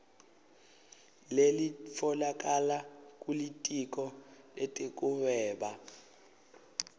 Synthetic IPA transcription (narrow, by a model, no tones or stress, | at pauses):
lelifʰɔlak̬ʼalakʼulitʼik̬ʼɔletʼekʼuβɛːɓa